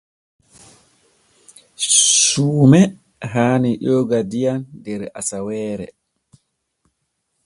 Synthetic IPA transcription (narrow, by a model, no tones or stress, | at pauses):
suːmɛ | ɦaːniɗoːɡadijandɛɾa̰sawɛːɾɛ̰